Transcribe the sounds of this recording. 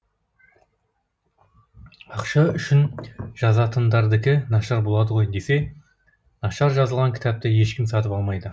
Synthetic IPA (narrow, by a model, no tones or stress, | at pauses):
ɑqʃɑʏʃɪnʒ̥ɑzɑt̪ʰənd̪ɑɾd̪ɪkʲɪnɑʃɑɾbo̞lˠɑd̪əʁo̞jd̪e̞se̞ | nɑʃɑɾʒɑzəlˠʁɑŋkʲʰɪ̥t̪ɑp̚t̪ɪje̞ʃkʲɪmsɑt̪əpɑlˠmɑjd̪ə